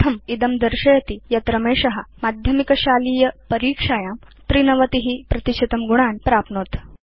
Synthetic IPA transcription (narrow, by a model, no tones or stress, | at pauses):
t̪ʰɐmid̪ɐmd̪ɐɾʂɐjɐt̪ijɐt̪ɾɐmeːʂɐɦɐmad̪ʱjɐmikɐɕaːliːjɐpɐɾiːkʂaːjaːmt̪ɾinɐʋɐt̪iɦipɾɐt̪iɕɐt̪ɐmɡuɳ̃aːnpɾaːpnoːt̪